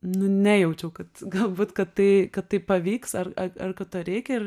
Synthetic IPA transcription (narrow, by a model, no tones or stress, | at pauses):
nʊnʲɛjɛʊt͡ʃʲɛʊkɐt̪ɡɐlˠbuːt̪kɐt̪tɐɪkɐttɐɪpɐʋʲiːksɐrɐɐrkɐt̪toːɾʲɛɪkʲɛɪr